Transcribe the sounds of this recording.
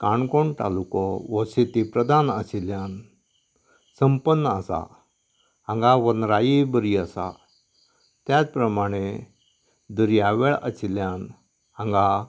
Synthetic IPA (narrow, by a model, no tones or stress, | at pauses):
kaɳkoɳʈ̪a̰lukɔʋɔɕet̪ipɾəd̪anəsiljan | səmpənːəəsa̰ | ãŋɡaʋənɾajibəɾiəsa̰ | t̪jat͡spɾəmaɽ̃e | d̪əɾjaʋeɭə̰siljãn | ãŋɡa